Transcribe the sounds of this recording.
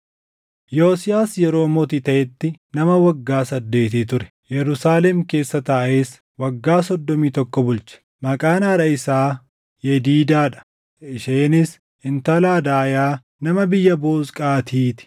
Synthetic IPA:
jo̞ːsɪjaːsjɛɾo̞ːmɔt̪it̪ɐʔɛt̪ːɪnɐmɐwɐɡːaːsɐd̪ːe̞ːt̪ɪt̪ʊɾɛ̥ | jɛɾʊsaːlɛmke̞ːsːɐt̪aːʔe̞ːs | wɐɡːaːsɔd̪ːɔmiːt̪ɔkːɔbʊlt͡ʃɛ̥ | mɐkʼaːnɐɾɐɪsaː | jɛd̪iːd̪aːᶑɐ̥ | ʔɪʃeːnɪs | ɪnt̪ɐlaːd̪aːjaː | nɐmɐbɪjːɐboːskʼaːt̪ʰiːt̪ɪ̥

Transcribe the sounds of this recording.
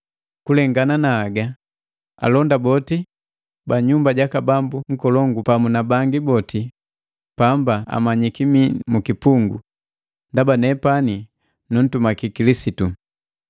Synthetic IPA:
kulɛŋɡananaːɡa | a̰lɔndabɔti | baɲumbaɟakabambuŋ̩kɔlɔŋɡupamunabaŋɡibɔti | pambaa̰maɲikimimukipuŋɡṵ | ndabanɛpani | nun̩tumakikilisitu

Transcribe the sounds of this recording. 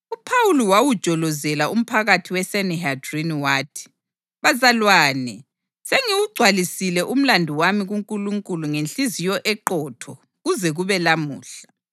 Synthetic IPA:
upʰawuliwawud̥ʒ̥ʱɔlɔzɛlaʔum̩pʰaɣatʰiwɛsɛnɛɦadriniwaːtʰi̥ | βazalwaːni | seŋiwuɡ͡ǀʱwalisilɛʔum̩landʱuwamiɣuŋkʼuluŋkʼuluŋenɬizijɔʔɛǃɔːtʰɔ | ɣuzɛɣuβɛlamuːɬḁ

